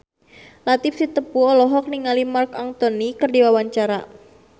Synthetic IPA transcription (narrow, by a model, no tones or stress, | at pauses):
lat̪ɪfsit̪əpuɔlɔɦɔk̚niŋalimarkaŋt̪onikərdiwawaɲt͡ʃaɾa